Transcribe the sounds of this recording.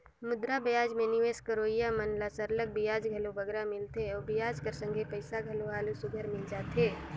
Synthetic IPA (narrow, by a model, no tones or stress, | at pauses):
mʊd̪ɾabijaːd͡ʒmẽnɪʋeːskəɾoːijamənlasəɾlək̚bijaːd͡ʒɡʱəlobəɡɾamɪlt̪ʰeɔːɾbijaːd͡ʒkəɾsə̃ŋɡʱepəɪsaɡʱəloɦaːlusʊɡʱəɾmɪld͡ʒaːt̪eː